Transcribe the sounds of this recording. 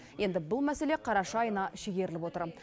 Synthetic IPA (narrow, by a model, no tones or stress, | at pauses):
je̞nd̪ɪbʊlˠmæse̞le̞qʰɑɾɑʃɑːjənɑʃeɡʲe̞ɾɪlɪpwo̞t̪əɾ